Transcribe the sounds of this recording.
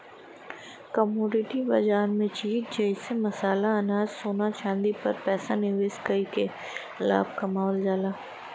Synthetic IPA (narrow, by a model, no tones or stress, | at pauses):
kəmoːɖɪʈibɐ̰d͡ʒaːɾmẽt͡ʃiːd͡ʒɐsemɐsaːlaɐnaːzsoːnaʃãːnd̪ipɐɾpɛːsanɪʋeːskəike | la̰ːb̚kɐmaːld͡ʒaːlaː